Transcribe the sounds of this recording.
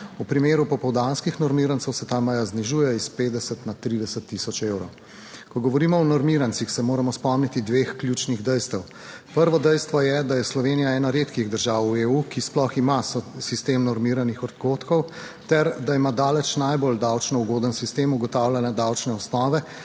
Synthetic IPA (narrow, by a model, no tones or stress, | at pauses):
upɾimeːɾupɔpɔwd̪anskixnɔɾmiɾant̪səwsɛt̪amajazniʒuːjɛispeːd̪d̪ɛsət̪nat̪ɾiːd̪ɛsət̪ːisɔt͡ʃewɾow | kɔɡɔʋɔɾiːmɔɔnɔɾmiːɾansixsɛmoːɾamɔspɔmnit̪id̪ʋexklʲjut͡ʃniɣd̪ɛjst̪ɛw | pəɾʋɔd̪ɛjst̪ʋɔjɛd̪ajɛslɔʋeːnijaɛːnaɾeːt̪kiɣd̪əɾʒaːwueukisplɔximassist̪eːmnɔɾmiːɾanixɔt̪koːt̪kɔw | t̪ɛɾd̪aimad̪aːlɛt͡ʃnajbold̪awt͡ʃnɔuɡoːd̪ənsist̪eːmuɡɔt̪aːwlʲanɛd̪awt͡ʃnɛɔsnɔːʋɛ